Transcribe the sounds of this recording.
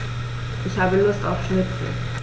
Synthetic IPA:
ʔɪçhaːbəlʊsta̰ʊfʃnɪt͡sl̩

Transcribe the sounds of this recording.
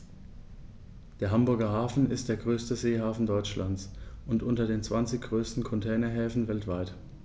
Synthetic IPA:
d̥eːɐɦambʊɐɡɐɦaːfn̩ɪst̚d̥eːɐɡʁøːstəzeːhaːfn̩dɔʏt͡ʃlant͡sʔʊntʔʊntɐdeːnt͡sv̥ant͡sɪçɡ̥ʁøːstn̩kʰɔntʰɛːnɐɦɛːfn̩vɛltv̥aɪt

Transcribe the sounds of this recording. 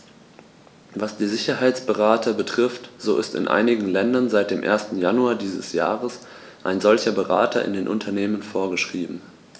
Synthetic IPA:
vasd̥iːzɪçɐɦaɪt͡sb̥əʁaːtʰɐbətʁ̥ɪftz̥oːʔɪ̰stɪ̰nʔa̰ɪnɪɡŋ̩lɛndɐnzaɪt̚d̥eːmʔḛːɐstn̩januaːdiːzəsja̰ːʁəs | ʔa̰ɪnzɔlçɐbəʁa̰ːtʰɐʔɪ̰ndeːnʔʊ̰ntʰɐneːmənfoːɐɡəʃʁ̥iːbm̩

